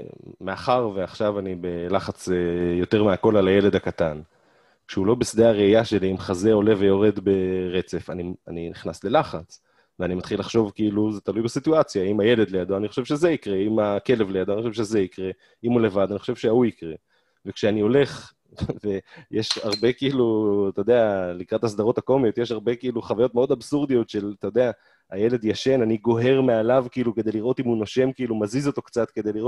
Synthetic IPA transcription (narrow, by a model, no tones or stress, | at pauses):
meaχaʁveaχʃavanibelaχat͡sejo̞t̪e̞ʁmeako̞lalaje̞le̞d̪akat̪an | kʃeulo̞besd̪eaʁeijaʃe̞liimχazeo̞le̞ve̞jo̞ʁe̞d̪be̞ʁe̞t͡se̞fanianiniχnasle̞laχat͡s | veanimat̪χilaχʃo̞vkiiluzetalujbesit̪uat͡sjaimaje̞le̞d̪lejad̪oaniχo̞ʃevʃe̞zeikʁe̞imake̞le̞vlejadoanixoʃevʃezeikʁe̞ | imule̞vad̪aniχo̞ʃevʃeauikʁe | vekʃeanio̞le̞χ | ve̞jeʃaʁbe̞kiiːlut̪ajod̪e̞alikʁat̪has̬daʁo̞t̪ako̞mijo̞t̪jeʃaʁbe̞kiiluχavajot̚meo̞d̪absuʁd̪ijo̞t̪ʃe̞lat̪ajod̪e̞a | aje̞le̞d̪jaʃe̞naniɡo̞ɦe̞ʁmealavkiiːluke̞d̪eliʁo̞t̪imhunoʃe̞mkiilumazizo̞t̪o̞kt͡sat̪ke̞d̪eliʁo